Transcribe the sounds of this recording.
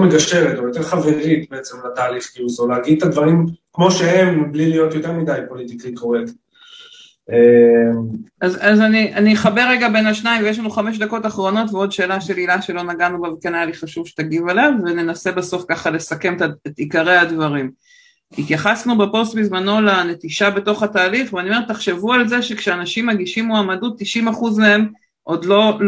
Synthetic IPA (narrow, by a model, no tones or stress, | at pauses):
meɡaʃeʁet̪ojot̪eʁχaveʁit̪beet͡semlat̪aːliχkiuzolaaɡid̪̚t̪advaʁimkmo̞ʃeemblilijo̞t̪jot̪eʁmid̪ajpo̞lit̪ikaikoʁek | emazazaniʔaniχabe̞ʁeɡabe̞naʃnaimvejeʃlanuχame̞ʃ̬d̪ako̞t̪aχʁo̞no̞t̪veo̞d̪ʃe̞ːlaʃe̞lilaʃe̞lo̞naɡanubavkenajaliχaʃuvʃet̪aɡivalavːene̞nase̞baso̞fkaχale̞sake̞metaet̪ikaʁehadvaʁim | it̪jaχasnubepo̞st̪bizmano̞lane̞t̪iʃabe̞to̞χataːliχveaniome̞t̪aχʃe̞vualzeʃekʃeanaʃimːaɡiʃimːoamadut̪ːiʃimaχuzmee̞m | ʔo̞d̪lo̞